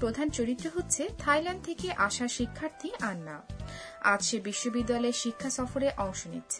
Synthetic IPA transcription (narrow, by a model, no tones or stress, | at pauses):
pɾod̪ʱant͡ɕoɾit̪ːɾoɦot̪ːɕʰet̪ʰajlanɳɖ̚t̪ʰekeʔaʃaʃikʰːaɾt̪ʰiʔanːa | adʃebiʃːobid̪ːaleɾʃikʰːasɔfoɾeʔɔŋʃonḭt̪ːɕʰe